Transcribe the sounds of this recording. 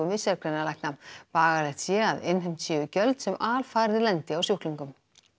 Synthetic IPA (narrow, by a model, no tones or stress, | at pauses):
ʏmvɪsjaɾkʰɾɛnalajhknampaːɣalɛht̪sjɛaðɪnɦɪjm̥t̪siːðʏcœlt̪sɛmʔaːlfaːɾðɪlɛnt̪ɪawsjohkliŋkʏm